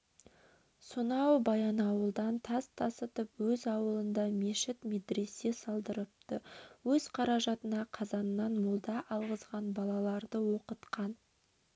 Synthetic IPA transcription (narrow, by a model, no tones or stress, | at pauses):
sʊnɑwbɑjɑnɑwəlˠd̪ɑnt̪ʰɑst̪ʰɑsət̪əpwɵzɑwəlˠənd̪ɑme̞ʃɪt̪med̪ɾe̞sːe̞sɑlˠd̪əɾəp̚t̪əwɵzqʰɑɾɑʒɑt̪ənɑqʰɑzɑnənːɑnmʊlˠd̪ɑʔɑlˠʁəzʁɑnbɑlˠɑlˠɑɾd̪əwo̞qət̪qɑn